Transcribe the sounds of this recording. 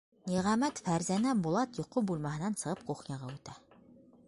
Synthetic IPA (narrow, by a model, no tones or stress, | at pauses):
niʁæmæt̪fæɾzænæbulˠɑt̪jŏqubulˠmɑɦɤ̆nɑnsɤ̆ʁɤp̚quχnɑʁɑʉt̪æ